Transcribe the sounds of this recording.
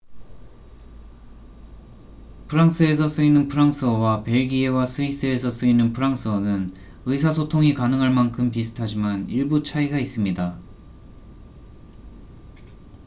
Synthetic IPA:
pʰɯɾaŋs͈ʰɯe̞s̬ʰʌs͈ɯinɯnpʰɯɾaŋsʰɯʌwape̞ɭɡie̞wasʰɯis͈ɯe̞sʰʌs͈ɯinɯnpʰɯɾaŋsʰɯʌnɯn | ɯisʰasʰotʰoŋikanɯŋɦaɭmankʰɯmpisʰɯ̥tʰad͡ʑimaniɭbut͡ɕʰaiɡais͈ɯmɲida

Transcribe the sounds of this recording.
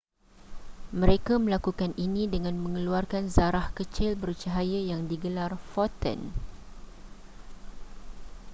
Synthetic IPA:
mə̃ɾekamə̃lakukaninĩdəŋãnmə̃ŋəluarkanzaɾahkət͡ʃɪlbəɾut͡ʃaɦajajaŋdiɡəlarfɔt̪ə̰n

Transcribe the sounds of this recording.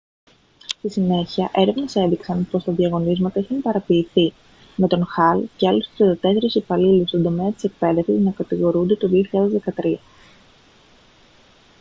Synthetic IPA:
st̪isine̞çiɐʔe̞ɾevnese̞nðiksɐnpo̞st̪ɐðiɐɣo̞nizmɐt̪ɐixɐnpɐɾɐpiːθi | me̞t̪o̞nxɐlceɐlust̪i̥set̪ɐt̪e̞se̞ɾisipɐlilust̪od̪o̞me̞ɐt̪i̥se̞k̚pe̞ðe̞fsiznɐkɐt̪iɣo̞ɾund̪e̞t̪uðio̞çiʎaðe̞zðe̞kɐt̪ɾiɐ

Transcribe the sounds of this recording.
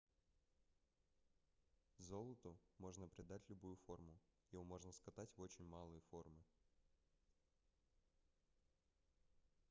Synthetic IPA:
zo̞lˠət̪ʊmo̞ʐnəpɾʲɪd̪atʲlʲʊbujʊfo̞rmʊjɪomo̞ʐnəskɐt̪atʲvo̞t͡ɕɪnʲmalˠɨjəfo̞rmɨ

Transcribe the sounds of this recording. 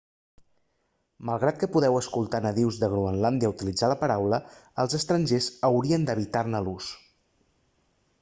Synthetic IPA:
məlˠɣɾat̪̚kəpuðɛwəskulˠt̪anəðiwzðəɣɾuənland̪jəut̪ilid͡zaləpəɾawləəlˠzəst̪ɾənʲʒezəwɾiənd̪əβit̪arnəlus

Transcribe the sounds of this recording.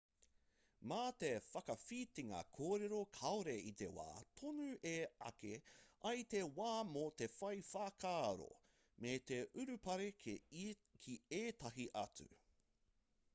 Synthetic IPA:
maːt̪efɐkɐfiːt̪iŋɐ̰kʰoːɾeɾokʰɐoɾeit̪ḛwa̰ːt̪ʰonʉʔeɐ̰keʔɐjt̪ewaːmot̪efɐjfaːkʰaːɾo̰ | met̪eʔʉɾʉpɐɾe | kʰieːt̪ɐɦiʔɐt͡sʉ̰

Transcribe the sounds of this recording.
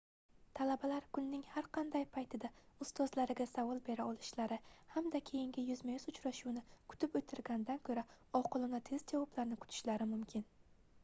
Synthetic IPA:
t̪ʰalabalaɾkʰʊnːɪŋhaɾqʰɑnd̪ajpʰajt̪ʰɪd̪aʊst̪ɒzlaɾɪɡʲasavɒlˠbe̞ɾaɒlˠɪʃlaɾɪhamd̪akʲʰe̞jɪŋɡʲɪjʊzmajʊzʊt͡ʃɾaʃuwnɪkʰʊ̥t̪ʰɪpɵt̪ʰːɪɾɡʲanɪd̪ankʰɵɾa | ɒqʰɨlˠɪnat̪ʰe̞zd͡ʒɒwɒplaɾnɪkʰʊ̥t̪ʰɪ̥ʃlaɾɪmʊmkʲʰɪn

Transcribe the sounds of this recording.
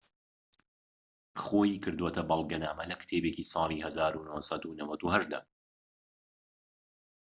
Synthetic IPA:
xoːjiːkʰɨɾd̪woːt̪ʰɐbɐlˠɡɐnaːmɐlɐkt̪ʰeːbekiːsɑːlˠiːhɐzaːɾunohsɐd̪unɐwɐd̪uhɐʒd̪ɐ̰

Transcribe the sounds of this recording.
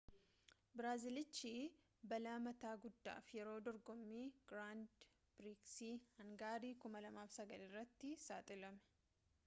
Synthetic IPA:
bɪɾaːzɪlɪt͡ʃːiː | bɐlaːmɐt̪aːɡʊd̪ːa̰ːfjɛɾo̞ːd̪ɔɾɡɔmːiːɡ̥ɾaːnd̪ | b̥ɾiksiːhɐŋɡaːɾiːkʊmɐlɐmaːfsɐɡɐlɪrːɐt̪ːɪsaːt̪ʼɪlɐmɛ̥

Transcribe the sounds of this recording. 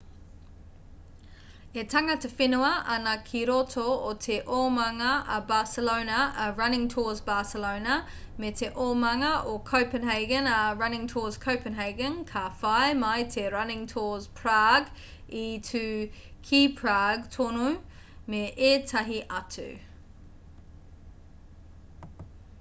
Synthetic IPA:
etʰaŋɐtʰəfɪnuɐɐnɐkʰiɾotʰootʰeʔomaŋɐɐbaːsəloʊnɐəɹɐnɪ̃ŋtʰɔːzbaːsəloʊnɐ | metʰeʔoːmaŋɐʔokʰoʊpənɦɛɪɡənaɹɐnɪ̃ŋtʰɔːz̥kʰoʊpənɦɛɪɡənkʰaːfaɪmaɪtʰeɹanɪ̃ŋtʰɔːzpʰɹ̥aːɡ | itʰʉkʰiːpʰɹaːɡtʰɔnumeʔetʰaɦiʔɐtʰʉ̰

